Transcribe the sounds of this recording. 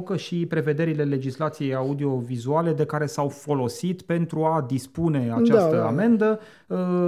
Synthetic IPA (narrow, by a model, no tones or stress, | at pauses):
kəʃipɾe̞ve̞d̪e̞ɾile̞le̞d͡ʒislat̪sije̞jaud̪io̞vizuale̞d̪e̞kaɾe̞sawfo̞lo̞sit̪pe̞nt̪ɾuad̪ispune̞at͡ʃt͡ʃast̪əa̰me̞nd̪ə